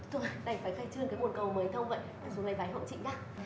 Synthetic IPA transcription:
t̪u˧˩˨ɗa˧˩jfaː˧˩jxaː˧˩jt͡ɕɨ˧əŋkaː˨˦jmo˨˩ənkə˨˩wməː˨˦jt̪ʰə˧wŋ͡mvə̰˧˨ja˨˧˩su˨˦na˨˩jɓaː˨˦jɦo̰˧˨wt͡ɕḭ˧˨ŋ̟ɗaː˨˦

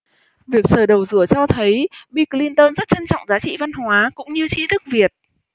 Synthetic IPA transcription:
vi˨˩ək̚səː˧˩ɗə˨˩wzɨ˧˩ət͡ɕɔ˧t̪ʰə˨˦jɓi˧kli˧nt̪oː˧nzə˦˥t̚t͡ɕə˧nt͡ɕɔ̰˧˨wŋ͡mzaː˨˦t͡ɕḭ˧˨va˧nɦwaː˨˦kʊ̰˧˥ŋ͡mɲɨ˧t͡ɕi˨˦t̪ʰɨ˦˥k̚vi˨˩ət̚

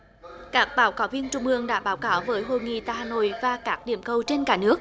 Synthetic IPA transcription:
kaː˦˥k̚ɓaː˨˦wkaː˨˦wvi˧ənt͡ɕʊ˧ŋ͡mʔɨ˧əŋɗa̰ː˧˥ɓaː˨˦wkaː˨˦wvəː˨˦jɦo˧˨jŋḭ˧˨t̪aː˧˩haː˧˩no̰˧˨jvaː˨˩kaː˦˥k̚ɗḭ˧˩əmkə˨˧˩wt͡ɕe˧nkaː˧˩nɨ˦˥ək̚

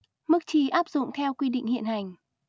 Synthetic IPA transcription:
mɨ˦˥k̚t͡ɕi˧˩ʔaː˦˥p̚zʊ̰˧˨ŋ͡mt̪ʰɛ˧wkwi˧ɗḭ̈˧˨ŋ̟hḭ˧˨ənha˨˩jŋ̟

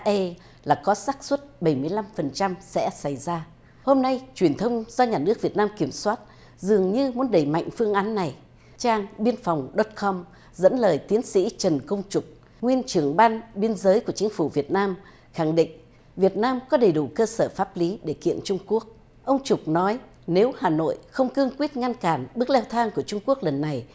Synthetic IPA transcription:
ʔə˧ | laː˨˩kɔ˨˦saː˦˥k̚swə˦˥t̚ɓə˧˩jmɨ˧əjla˧mfə˨˩nt͡ɕa˧msɛ̰˧˥sa˧˩jzaː˧ | ho˧mna˧jt͡ɕwi˨˩ənt̪ʰə˧wŋ͡mzɔ˧ɲaː˨˩nɨ˦˥ək̚vi˨˩ət̚naː˧mki˧˩əmswaː˦˥t̚ | zɨ˨˩əŋɲɨ˧mu˨˦ənɗə˧˩jma̰˧˨jŋ̟fɨ˧əŋʔaː˨˦nːa˨˩j | t͡ɕaː˧ŋɓi˧ənfa˨˩wŋ͡mɗɔ˦˥t̚kɔ˧m | zə̰˧˥nləː˨˩jt̪i˨˦ənsḭ˧˥t͡ɕə˨˩nkə˧wŋ͡mt͡ɕʊ˨˩k͡p̚ | ŋwi˧ənt͡ɕɨ˧˩əŋɓaː˧nɓi˧ənzəː˨˦jku˧˩ət͡ɕï˨˦ŋ̟fu˧˩vi˨˩ət̚naː˧m | xa˧˩ŋɗḭ˧˨ŋ̟ | vi˨˩ət̚naː˧mkɔ˨˦ɗə˨˩jɗu˧˩kəː˧səː˧˩faː˦˥p̚li˨˦ɗe˧˩kḭ˧˨ənt͡ɕʊ˧ŋ͡mku˦˥ək̚ | ʔə˧wŋ͡mt͡ɕʊ˨˩k͡p̚nɔ˨˦j | ne˨˦whaː˨˩no̰˧˨jxə˧wŋ͡mkɨ˧əŋkwi˦˥ət̚ŋa˧nkaː˧˩nɓɨ˦˥ək̚lɛ˧wt̪ʰaː˧ŋku˧˩ət͡ɕʊ˧ŋ͡mku˦˥ək̚lə˨˩nːa˨˩j

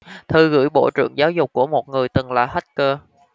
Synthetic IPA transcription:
t̪ʰɨ˨˩ɣɨ̰˧˥˩jɓo̰˧˩t͡ɕɨ̰˧˨əŋzaː˨˦wzʊ˨˩k͡p̚kːu˧˩əmo˨˩t̚ŋɨ˨˩əjt̪ɨ˨˩ŋlaː˨˩ha˦˥t̚kəː˧

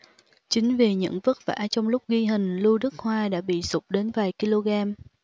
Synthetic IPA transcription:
t͡ɕï˨˦ŋ̟ve˨˩ɲə̰˧˥ŋvə˦˥t̚va̰ː˧˥t͡ɕɔ˧wŋ͡mlʊ˦˥k͡p̚ɣi˧ɦï˨˩ŋ̟lu˧ɗɨ˦˥k̚hwaː˧ɗa̰ː˧˥ɓḭ˧˨sʊ˦˥k͡p̚ɗe˨˦nvaː˨˩jki˧lo˧ɣaː˧m

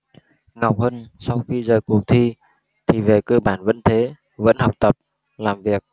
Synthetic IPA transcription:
ŋa˨˩wk͡p̚həː˧nsa˧wxi˧zəː˨˩jku˨˩ək̚t̪ʰi˧ | t̪ʰi˨˩ve˨˩kəː˧ɓaː˧˩nvə̰˧˥nt̪ʰe˨˦ | və̰˧˥nhə˨˩wk͡p̚t̪ə˨˩p̚ | laː˨˩mvi˨˩ək̚

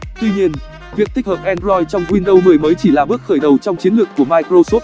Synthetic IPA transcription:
t̪wi˧ɲi˧ən | vi˨˩ək̪̚ʰi˦˥k̚həː˨˩p̚ʔɛ˧nzɔ˧jt͡ɕɔ˧wŋ͡mkwi˧nɗə˧wmɨː˨˩əjməː˨˦jt͡ɕi˧˩laː˨˩ɓɨ˦˥ək̚xəː˧˩jɗə˨˩wt͡ɕɔ˧wŋ͡mt͡ɕi˨˦nlɨ˨˩əkːu˧˩əmaː˧jkɾo˧so˦˥t̚

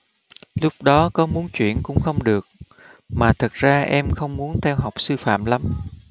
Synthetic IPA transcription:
lʊ˦˥k͡p̚ɗɔ˨˦kɔ˨˦mu˨˦ənt͡ɕwḭ˧˩ənkʊ̰˧˥ŋ͡mxə˧wŋ͡mɗɨ˨˩ək̚ | maː˨˩t̪ʰə˨˩k̚z̥aː˧ʔɛ˧mxə˧wŋ͡mmu˨˦ənt̪ʰɛ˧wɦa˨˩wk͡p̚sɨ˧fa̰ː˧˨mla˨˦m

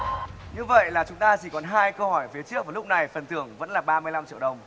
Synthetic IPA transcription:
ɲɨ˧və̰˧˨jlaː˨˩t͡ɕʊ˨˦ŋ͡mt̪aː˧t͡ɕi˧˩kɔ˨˦nɦaː˧jkə˧whɔ˧˩jfi˨˦t͡ɕɨ˦˥ək̚vaː˨˩lʊ˦˥k͡p̚na˨˩jfə˨˩nt̪ʰɨ˧˩əŋvə̰˧˥nlaː˨˩ɓaː˧mɨ˧əjla˧mt͡ɕḭ˧əwɗə˨˩wŋ͡m

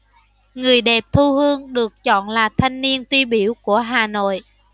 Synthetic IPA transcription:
ŋɨ˨˩əjɗɛ˨˩p̚t̪ʰu˧ɦɨ˧əŋɗɨ˨˩ək̚t͡ɕɔ̰˧˨nlaː˨˩t̪ʰa˧jŋ̟ni˧ənt̪wi˧ɓi˧˩əwku˧˩əɦaː˨˩no̰˧˨j

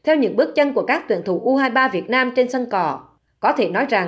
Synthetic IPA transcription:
t̪ʰɛ˧wɲɨ̰˧˥ŋɓɨ˦˥ək̚t͡ɕə˧nku˧˩əkaː˦˥kt̪wḭ˧˨ənt̪ʰṵ˧˩ʔu˧ɦaː˧jɓaː˧vi˨˩ət̚naː˧mt͡ɕe˧nsə˧nkɔ˨˩ | kɔ˨˦t̪ʰe˧˩nɔ˨˦jza˨˩ŋ

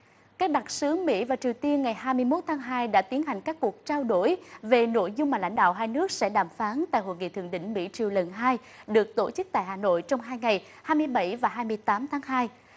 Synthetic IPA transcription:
kaː˦˥k̚ɗa˨˩t̚sɨ˨˦əŋmḭ˧˥vaː˨˩t͡ɕi˨˩əwt̪i˧ənŋa˨˩jhaː˧jmɨ˧əjmo˦˥t̚t̪ʰaː˨˦ŋɦaː˧jɗa̰ː˧˥t̪i˨˦ənɦa˨˩jŋ̟kaː˦˥kːu˨˩ək̚t͡ɕaː˧wɗo˧˩jve˨˩no̰˧˩˨jzʊ˧ŋ͡mmaː˨˩la̰˧˩ŋ̟ɗa̰ː˧˨wɦaː˧jnɨ˦˥ək̚sɛ̰˧˥ɗaː˨˩mfaː˨˦nt̪a̰ː˧˨jɦo̰˧˨jŋḭ˧˨t̪ʰɨ˧˨əŋɗḭ̈˧˥˨ŋ̟mḭ˧˥t͡ɕi˨˩əwlə˨˩nɦaː˧j | ɗɨ˨˩ək̚t̪o˧˩t͡ɕɨ˦˥k̚t̪a̰ː˧˨jhaː˨˩no̰˧˨jt͡ɕɔ˧wŋ͡mɦaː˧jŋa˨˩j | haː˧jmɨ˧əjɓə̰˧˩jvaː˨˩ɦaː˧jmɨ˧əjt̪aː˨˦mt̪ʰaː˨˦ŋɦaː˧j

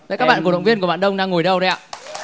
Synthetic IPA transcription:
va̰˧˨kaː˦˥k̚ɓaː˧˨kə̰˧˨wŋ͡mvi˧ənkɓa̰ː˧˨nɗə˧wŋ͡mɗaː˧ŋːo˨˩jɗə˧wɗə˧ja̰ː˧˨

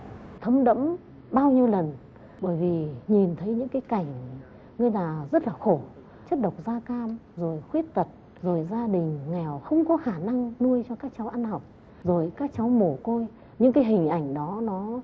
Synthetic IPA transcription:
t̪ʰə˨˦ŋ͡mɗə̰˧˥m | ɓaː˧wɲi˧əwlə˨˩n | ɓəː˧˩jvi˨˩ɲi˨˩nt̪ʰə˨˦jɲɨ̰˧˥ŋkaː˨˦jka˧˩jŋ̟ | ŋə˧jlaː˨˩zə˦˥t̚laː˨˩xo˧˩ | t͡ɕə˦˥t̚ɗə˨˩wk͡p̚zaː˧kaː˧mzo˨˩jxwi˦˥ət̚t̪ə˨˩t̚ | zo˨˩jzaː˧ɗï˨˩ŋ̟ŋɛ˨˩wxə˧wŋ͡mkɔ˨˦xaː˧˩na˧ŋnu˧əjt͡ɕɔ˧kaː˦˥k̚t͡ɕa˨˦wʔa˧nɦɔ˨˩wk͡p̚ | zo˨˩jkaː˦˥k̚t͡ɕa˨˦wmo˧˩ko˧j | ɲɨ̰˧˥ŋkaː˨˦jɦï˨˩ŋ̟ʔa˧˩jŋ̟ɗɔ˨˦nɔ˨˦

